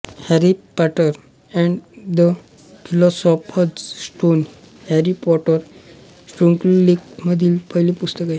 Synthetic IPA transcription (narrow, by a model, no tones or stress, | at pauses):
hæɾipaʈəɾ | ɛ̃ɳɖd̪ə | fʰilɔsɔpəsʈon | hɛɾipɔʈəɾ | sʈɾuŋkllikməd̪ʱiːlpəjlipust̪əkaj